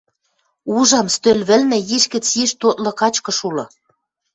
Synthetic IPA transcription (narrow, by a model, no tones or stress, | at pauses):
uʒɑmst̪ølʲβɘ̆lmĕjiʃkɘ̆t͡sjiʃt̪ot̪lɤ̆kɑt͡ɕkɤ̆ʃulɤ̆